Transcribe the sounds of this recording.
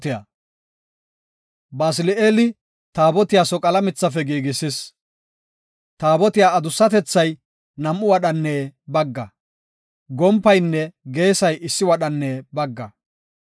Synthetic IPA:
t̪ɪja | baːs̬ɪlɪeːlɪ | t̪aːbɔt̪ɪjaːsɔkʼɐlɐmɪt͡sːɐfɛɡiːɡɪsɪs | t̪aːbɔt̪ɪjaːɐd̪ʊsːɐt̪ɛt͡sːɐj | nɐmːʊwɐɗɐnːeːbɐɡːɐ | ɡɔmpːɐjnːɛɡe̞ːsɐjɪsːɪwɐɗɐnːeːbɐɡːɐ

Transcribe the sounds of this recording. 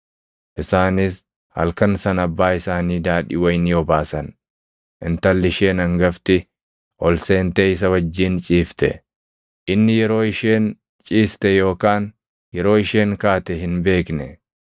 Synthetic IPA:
ʔɪsaːnɪs | hɐ̰lkɐnsɐnɐbːaːɪsaːniːd̪aːᶑɪ̰wɐjnɪɔbaːsɐn | ʔɪnt̪ɐlːɪʃe̞ːnɐŋɡɐft̪ɪ | ʔɔlseːnt̪eːɪs̬ɐwɐd͡ʒːiːnt͡ʃʼiːft̪ɛ̰ | ʔɪnːɪjɛɾo̞ːɪʃe̞ːn | t͡ʃʼiːst̪ɛjo̞ːkaːn | jɛɾo̞ːɪʃe̞ːŋkaːt̪ɛɦɪnbe̞ːknɛ

